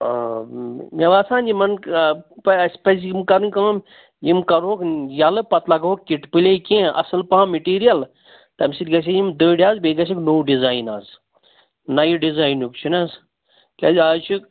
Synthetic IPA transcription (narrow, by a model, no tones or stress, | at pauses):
meʋaːsaːnd͡ʒimɐnpspes̬imkɐɾunʲkɐm | jimkɐɾoːkjɐlɨpɐt̪lɐɡoːkkiʈpilʲekẽɐ̰sɨlpaãmeʈiːɾijɐl | t̪ɐmsilʲɡɐs̬ejimd̪oːɖiaːzbeɡɐs̬iknoːwɖizaːjna̰z | nɐjiɖizaːjnukt͡ʃʰunɐz | kʲɐzaːt͡ʃʰuk